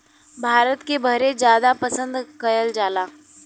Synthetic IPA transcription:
bʱaːɾət̪kebʱəɾed͡ʒjaːd̪apəsə̃nd̪kɐɾəld͡ʒaːlaː

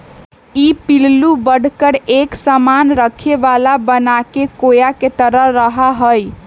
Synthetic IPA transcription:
ipillubəɽ̤kəɽeksəmanɾəkʰeʋalabənakekojaket̪əɾəɾəɦaɦəj

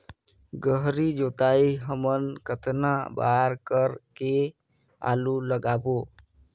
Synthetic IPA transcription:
ɡəɦɾid͡ʒot̪aiɦəmənkət̪naba̰ɾkəɾke | a̰luləɡabo

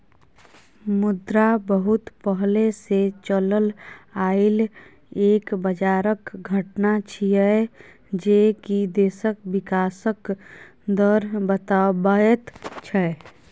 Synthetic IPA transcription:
mʊd̪ɾabəɦʊt̪pəɦleset͡ʃələlaːɪl | eːkbəd͡ʒaːɾəkɡʱəʈnat͡ʃʰiɛ | d͡ʒeːkid̪eːsəkwɪkaːsək | d̪əɾbət̪abəjət̪t͡ʃʰɛ

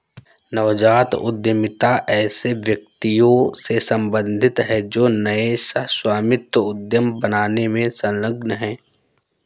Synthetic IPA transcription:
nɐʋd͡ʒaːt̪ʊ̰d̪jəmɪt̪aʔɛːseʋjək̚t̪ijõsesə̃mbə̃nd̪ʱɪt̪ɦɛd͡ʒoːnəesəɦswaːmɪt̪əʊd̪jəmbənaːnemẽsə̃nləɡnəɦɛ̃ː

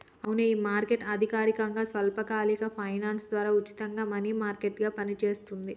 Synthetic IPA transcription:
ɐwuneiːmaːɾkeʈɐd̪ʱikaːɾikɐŋɡaːsʋɐlpɐkaːlikɐpʰɐjnaːnsd̪ʋaːɾaːut͡ʃi̥t̪ɐŋɡaːmɐniːmaːɾkeʈɡaːpɐnit͡ʃeːst̪und̪i

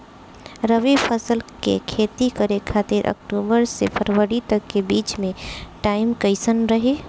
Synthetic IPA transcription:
ɾəʋipʰəsəlkḛkʰet̪ikəɾekʰat̪ɪɾʔə̰kʈubəɾsepʰəɾwəɾit̪əkːebiːt͡ʃmẽʈaɪmkəɪsənɾəɦe

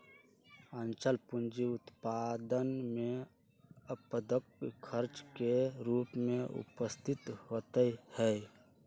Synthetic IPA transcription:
ənt͡ʃəlpʊnd͡ʒiʊt̪pad̪ənmẽ | əpəd̪əkkʰəɾt͡ʃkeɾuːpmẽʊ̰pəst̪ʰɪt̪hoːt̪əhɛ

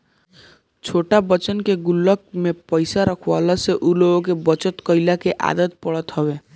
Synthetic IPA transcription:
t͡ʃʰoʈabət͡ʃənkeɡulːɔk̚mepəjsaɾɔkʰwalaseʔuloɡok̬ebɔt͡ʃɔt̪kɔilakeʔa̰d̪ət̪̚pɔɽɔt̪ɦɔbe

